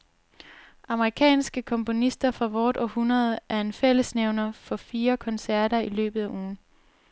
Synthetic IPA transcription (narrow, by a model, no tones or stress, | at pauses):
ʔɑ̈məʁikʰɛ̰ːnsɡ̥əkʰɒ̽mpʰo̝nisd̥ɐfʁɑ̈ʋɒːd̥ɒ̽hunɐðˠʔæɐe̝nfel̰əsneʊnɐfɒ̽fiːɐkʰɒ̽nsæɐ̰ɾɐilø̰ːb̥ð̩ˠæʔuːn̩